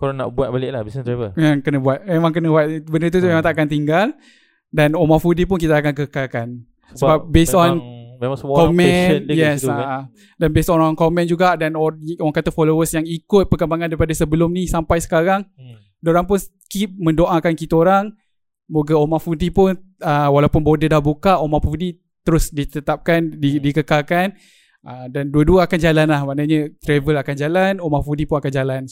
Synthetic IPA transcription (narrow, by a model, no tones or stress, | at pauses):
koɾana̰ʔbuat̪̚balɪʔlahbisnt̪abəeŋkənəbuat̪̚memãŋkənəbuat̪̚bənərt̪̬ut̪memaŋt̪akant̪̬iŋɡal | danomafudipʊnk̬it̪aːkankəkalkan | ssəbap̚besɔnmemãŋsəkɔmɛ̃jɛsa | danbesɔnaŋkɔmɛ̃nd͡ʒuɡaʔdanooaŋkat̪afɔlowəsjaŋikʊt̪̚pəkəmbaŋãndaɾipadasəbəlʊmnisampajsə̥kaɾaŋ | doɾaŋpʊns | kip̚mə̃ndoʔakankit̪əoɾaŋ | moɡaomafudipʊn | əwalawpʊnbodədahbukaʔomafuudi | t̪əɾʊsdit̪ət̪ap̚kandidikəkalkan | ʔədanduəduəakand͡ʒalanlahmanəɲət̪ɾɛvəlakand͡ʒalanomafudipʊnakand͡ʒalan